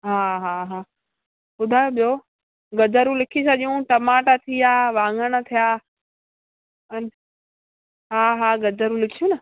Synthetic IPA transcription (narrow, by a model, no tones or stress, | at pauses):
ɦaːɦaːɦaː | ʊd̪ʱaːjoɓijo | ɡɐd͡ʑəɾũlɪkʰisɐʄjũʈɐmaːʈat̪ʰiaːʋãːŋəɽ̃ə̆t̪ʰijaː | ən | ɦaːɦaːɡɐd͡ʑəɾũlɪkʰijũnɐ